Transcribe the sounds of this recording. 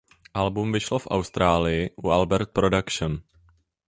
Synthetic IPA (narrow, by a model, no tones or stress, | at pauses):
ʔalbumvɪʃlofʔa̰wst̪ɾaːlɪjɪʔuʔalbɛɾt̪̚pɾodakʃon